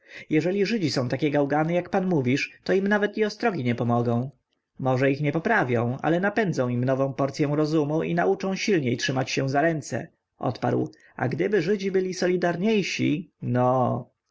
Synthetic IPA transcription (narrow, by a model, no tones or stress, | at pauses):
jɛʐɛlʲiʐɘd͡ʑisɔ̃w̃t̪akʲɛɡawɡanɛjakpanmuvʲiʂt̪ɔimnavɛt̪iɔst̪ɾɔɡʲiɲɛpɔmɔɡɔ̃w̃ | mɔʐɛixɲɛpɔpɾavʲjɔ̃w̃a̰lɛnapɛnd̪zɔ̃w̃imnɔvɔ̃w̃pɔɾt̪sʲjɛ̃w̃ɾɔzumuʔḭnaut͡ʂɔ̃w̃ɕilɲejtʂɘmat͡ɕɕɛ̃zaɾɛnt̪sɛ̰ | ʔɔ̰t̪pa̰ɾw | a̰ɡd̪ɘbɘʐɘd͡ʑibɘlʲisɔlʲid̪aɾɲejɕḭnɔ